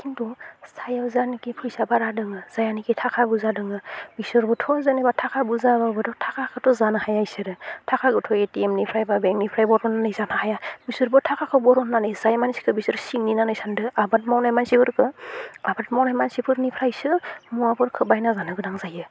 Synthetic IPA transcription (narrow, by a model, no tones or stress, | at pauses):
kʰindɔsʰajawzanikipʰɯjsabaɾadɯŋɯz̥ajanikitʰakʰabuzadɯŋɯbisɯɾbɔtʰɔzɯnibatʰakʰabuzababɯdɔtʰakʰakʰɯtɔzanɯhajajsɯɾɯtʰakʰaɡɯtʰɔjetiemnipʰɾajbabeŋnipʰɾajbɔɾɔnːanɯjzanahajabisɯɾbɔtʰakʰakʰɯbɔɾɔnːanɯjzajmansi̥kʰɯbisɯɾsiŋninanɯjsandɯabat̚mawnajmansiɡɯɾkʰɯabat̚mawnajmansipʰɯɾnipʰɾajsɯmuapʰɯɾkʰɯbajnazanɯɡɯdaŋzajɯ